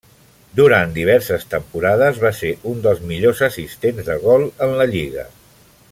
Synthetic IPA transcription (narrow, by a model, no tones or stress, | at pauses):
d̪uɾant̪d̪iβ̞ɛɾsəst̪əmpuɾaðəzβaseʔund̪əlˠzmiʎozəsist̪enzðəɣ̞ɔlˠənləʎiɣə̰